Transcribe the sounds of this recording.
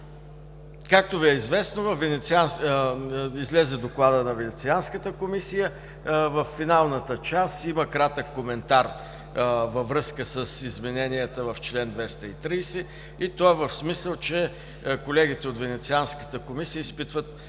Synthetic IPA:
kak̚t̪oviɛizvɛsnovɐfvːɛnɛt̪sians | izlɛzɛd̪oklˠad̪ənɐvɛnɛt̪sianskət̪əkomisijə | vəfːinalˠnət̪ət͡ʃast̪iməkɾat̪əkːomɛnt̪aɾ | vɐvɾɤskəsəsizmɛnɛnijət̪əvɐft͡ʃlɛnd̪vɛst̪əit̪ɾijsɛ | it̪ɔɛvəfsmisəlˠt͡ʃɛ | kolɛɡit̪ɛot̪vɛnɛt̪sianskə̥t̪əkomisijəispit̪vət̪

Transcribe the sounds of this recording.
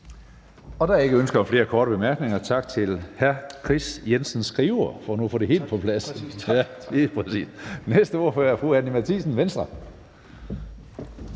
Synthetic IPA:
ɒ̽d̥ɑ̈e̝ɡ̥əønsɡ̥ɐɒ̽mfle̝ːɐkʰɒːɾəb̥e̝mæɐɡ̥ne̝ŋɐt͡sʰɑ̈ɡ̥t͡sʰe̝lhæɐkʰʁisjensn̩sɡ̥ʁiːʊɐfɒænuɐfɔ̽ːde̝ɦe̝̰ːld̥̚pʰɒ̽pʰlæsæ | liːpʰʁɛsḭːsnesd̥əo̝ːɐ̰føɐæɐfʁuːænimæt͡sʰḭsn̩ʋensd̥ʁɐ

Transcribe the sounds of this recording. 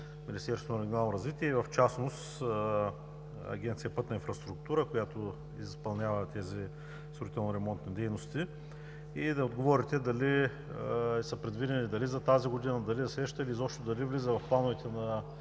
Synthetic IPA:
minist̪ɛɾsot̪ːɾɛɡʲjonalˠnoɾɐzvit̪iɛivɐft͡ʃasnost̪ | ɐ̰ɡʲɛnt̪sijɐpɤt̪nɐinfɾɐst̪ɾukt̪uɾəkojat̪o | izspɐlˠnʲavət̪ɛzi | st̪oɾit̪ɛlˠnoɾɛmɔnt̪nid̪ɛjnost̪i | id̪ɐod̪ɡovɔɾit̪ɛd̪ɐli | səpɾɛd̪vid̪ɛnid̪ɐlizɐt̪aziɡod̪inəd̪ɐlid̪ɐsɾɛʃt̪əilizɔpʃt̪od̪ɐlivlizəvɐfplˠanʊvɛt̪ɛnɐ

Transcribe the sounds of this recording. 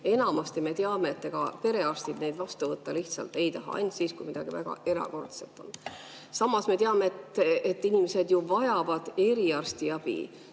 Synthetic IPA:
e̞nɑmɑst̪ime̞t̪eɑme̞ːt̪ːeɡ̥ɑ̰pe̞ɾe̞ɑrst̪id̪ne̞jd̪vɑst̪uvɤt̪ːɑliht̪sɑ̰lt̪ːˑe̞jt̪ɑɦɑ̰ɑ̰jnʲt̪ʲsiːskujmid̪ɑɡ̥ivæɡ̥ɑ̰e̞ɾɑ̰ko̞rt̪selt̪ːˑo̞̰n | sɑmːɑsme̞t̪eɑme̞et̪ːet̪ːinimese̞d̪juvɑjɑvɑd̪̥e̞ɾiɑrst̪iɑb̥ḭ

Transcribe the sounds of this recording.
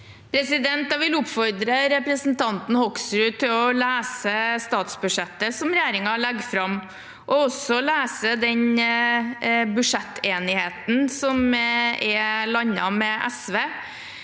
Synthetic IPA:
pʰɾɛsɪd̪ɛnt̪d̪ɑʋɪlʊpfɔɾd̪ɾəɾɛpɾəsnt̪ʰɑnt̪n̩hɔksɾʉːt̪ʰɪlɔlæːsəst̪ɑːt̪sbʉʂɛt̪ːəsɔmɾɛjeːɾɪŋɑɭɛɡːfɾɑm | ʔɔɔsɔlæːsəd̪ɛɲ | bʉʂɛt̪ʰːeːnɪheːt̪n̩sɔmɛlɑɲːɑmɛʔæsʋeː

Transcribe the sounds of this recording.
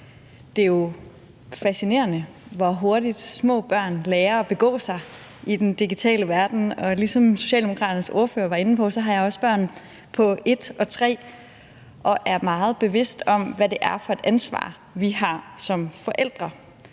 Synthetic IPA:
d̥e̝jo̝ | fæsine̝̰ːɐnə | ʋɒɦo̝ɐɾid̥smɔ̰̽ːb̥ɶɐ̰nleːɐɒ̽b̥e̝ɡ̥ɔ̰̽ːsɑ̈ɪ | id̥end̥iɡ̥it͡sʰɛ̰ːləʋæɐd̥n̩ɒ̽lisɒ̽mso̝̥ɕɛ̰ːldemo̝kʰʁɑ̈ːɾɐnəso̝ɐfø̰ːɐʋɑ̈e̝nn̩pʰɒ̽sɒ̽ɦɑ̈jɑ̈ɪɒ̽sb̥ɶɐ̰n | pʰɒ̽e̝d̥ɒ̽t͡sʰʁɛ̰ː | ʔɒ̽ʔæɐmɑ̈ːð̞̩ˠb̥e̝ʋe̝sd̥ɒ̽mʋæde̝ʔæɐfɒ̽e̝d̥ænsʋɑ̰̈ː | ʋiɦɑ̈sɒ̽mfɒ̽ʔel̰d̥ʁɐ

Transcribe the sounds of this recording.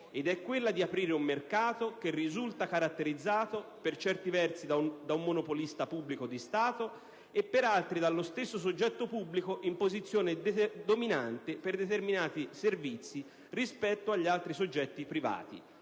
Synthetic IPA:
ed̪ɛkːwelːad̪iapɾiːɾeumːerkaːt̪ok̟erːizult̪akaɾat̪ːeɾid̪zːaːt̪opert͡ʃɛrt̪ivɛrsid̪ad̪aumːonopolist̪apubːlikod̪ist̪aːt̪o | epːeɾalt̪ɾid̪alːost̪esːos̬od͡ʒːɛt̪ːopubːlikoʔimpozit̪sːjoːned̪ominant̪eperd̪et̪erminaːt̪iservit̪sːi | rispɛt̪ːoaʎːialt̪ɾisod͡ʒːɛt̪ːipɾiva̰ːt̪ḭ

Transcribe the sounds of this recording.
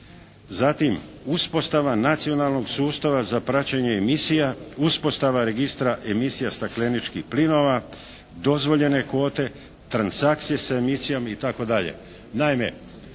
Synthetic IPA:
zat̪imuspo̞st̪aʋanat̪sio̞nalˠno̞ɡsuːst̪aʋazapɾat͡ɕeɲe̞misijauspo̞st̪aʋaɾe̞ɡist̪ɾaʔe̞misijast̪akle̞nit͡ʃkihplino̞ʋa | d̪o̞zʋo̞ʎe̞ne̞ko̞ːt̪e̞ | t̪ɾansak̚t̪sije̞saemisijomit̪ako̞d̪aʎḛ | naime̞̰

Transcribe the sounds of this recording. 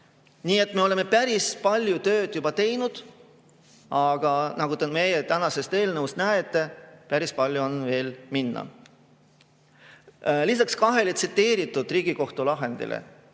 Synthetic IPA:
niːe̞t̪ːme̞o̞le̞me̞pæɾispɑlʲjut̪ø̞ːd̪̥jubɑt̪e̞jnud̪̥ | ɑɡ̥ɑnɑɡ̥ut̪eme̞jet̪ænɑse̞st̪e̞ːlnəust̪̚næet̪ːˑe̞pæɾispɑlʲjuonve̞ːlminːɑ̰ | lisɑkskɑɦe̞let̪sit̪ːˑe̞ːɾit̪ːˑud̪̥riːɡ̥iko̞ht̪ulɑɦe̞nd̪̥ḭlʔḛ

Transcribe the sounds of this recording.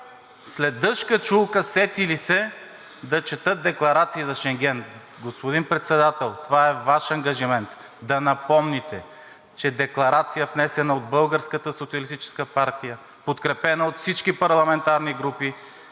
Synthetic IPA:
slɛd̪ɤʃkət͡ʃulˠkəsɛt̪ilisɛ | d̪ɐt͡ʃɛt̪ɤt̪̚d̪ɛklˠɐɾat̪siːzɐʃɛŋɡ̟ɛn | ɡospod̪inpɾɛt̪sɛd̪at̪ɛlˠt̪ovaɛvaʃɐŋɡɐʒimɛnt̪ | d̪ɐnɐpɔmnit̪ɛ | t͡ʃɛd̪ɛklˠɐɾat̪sijəfnɛsɛnəod̪bɤlˠɡəɾskət̪əsot̪siəɐlist̪it͡ʃɛ̥skəpaɾt̪ijə | pot̪kɾɛpɛnəot̪fsit͡ʃkipɐɾlˠɐmɛnt̪aɾniɡɾupi

